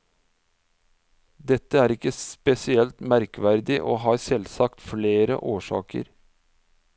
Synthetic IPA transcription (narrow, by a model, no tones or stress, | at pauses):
d̪ɛt̪ːəæːɾɪkəspɛsɪɛlt̪mæɾkʋæɾd̪ɪʔoːɦɑːɾsɛlsɑkt̪fleːɾə̰ʔoːʂɑ̰ːkə̰ɾ